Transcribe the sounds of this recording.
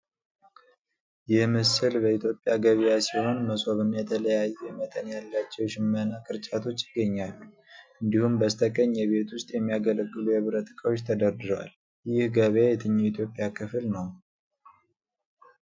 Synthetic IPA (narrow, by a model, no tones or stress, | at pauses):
jɪhmɨsɨlbəit̪ʰjo̞pʼːjaɡəβijasiho̞nməsʼo̞βɨnjɛt̪ʰələjajːɛjɛmət̪ʼənjalːat͡ʃːɛwʃɪmːənakʼɨɾt͡ʃʼat̪ʰo̞t͡ʃːjɪɡːəɲːalːu | ʔɨnd̪ihumbəst̪ʰəkʼəɲːɛβe̞t̪ʰwʊst̪ʼjɛmːijaɡələɡːɨlujɛβɾət̪ɨkʼəwo̞t͡ʃːt̪ʰəd̪əɾd̪ɨɾwa̰l | jɪhɡəβajɛt̪ʰɨɲːuit̪ʰjo̞pʼijakʰɨflnəw